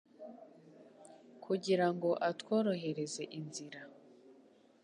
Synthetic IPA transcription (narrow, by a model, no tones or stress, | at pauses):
kʰuɟiɾaŋɡo̞ʔatwo̞ːɾo̞ɦe̞ɾe̞ze̞ʔinziɾa